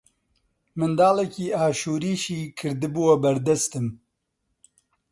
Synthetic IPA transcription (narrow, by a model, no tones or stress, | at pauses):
mɨnd̪aːlɛkiːaːʃuːɾiːʃiːkʰɨɾd̪ɨbuwɐbɐɾd̪ɛst̪ɨm